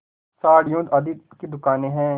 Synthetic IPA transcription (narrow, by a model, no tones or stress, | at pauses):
saːɽɪjõd̪ɐd̪it̪ked̪ʊkaːneɦɛ̃ː